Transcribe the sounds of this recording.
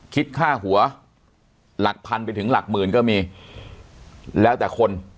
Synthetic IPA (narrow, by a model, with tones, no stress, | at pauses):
kʰi˦˥t̪̚kʰaː˥˩ɦu˩˦ɐ | la˨˩k̚pʰa˧npa˧jt̪ʰɯ˩˦ŋla˨˩k̚mɯː˧˩nkɔː˥˩miː˧ | lɛː˦˥wt̪ɛː˨˩kʰo˧n